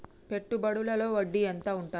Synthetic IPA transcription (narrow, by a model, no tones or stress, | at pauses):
pe̞ʈːubɐɽulɐlo̞ːʋɐɖːiɐnt̪aːuɳʈaː